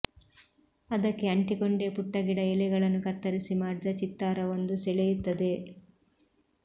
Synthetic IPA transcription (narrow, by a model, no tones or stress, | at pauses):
ɐd̪ɐkːe̞ɐɳʈikoɳɖe̞ːpuʈːɐɡiɽɐɛlɛɡɐɭɐnːukɐt̪ːɐɾisimaːɽid̪ɐt͡ʃit̪ːaːɾɐʋond̪usɛɭejut̪ːɐd̪e̞